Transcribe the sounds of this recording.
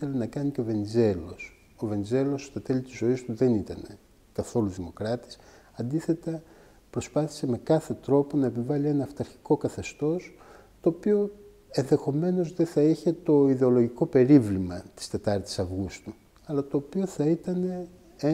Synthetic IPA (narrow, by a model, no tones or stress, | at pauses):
iθelɐnɐkɐniceove̞nize̞lo̞s | o̞ve̞nize̞lo̞st̪ɐt̪e̞lit̪izo̞ist̪uðe̞nit̪ɐne̞ | kɐθo̞luðimo̞kɾɐt̪i̥s | ɐnd̪iθe̞t̪ɐ | pɾo̞spɐθi̥se̞me̞kɐθe̞t̪ɾo̞po̞nɐepivɐlie̞nɐːft̪ɐɾçi̥ko̞kɐθe̞st̪o̞s | t̪o̞ːpio | e̞nðe̞xo̞me̞no̞zðeθɐiçe̞t̪o̞iðe̞o̞lo̞ʝiko̞pe̞ɾivlimɐt̪i̥st̪e̞t̪ɐɾt̪i̥sɐvɣust̪u | ɐlɐt̪o̞ːpio̞θɐit̪ɐne̞ | e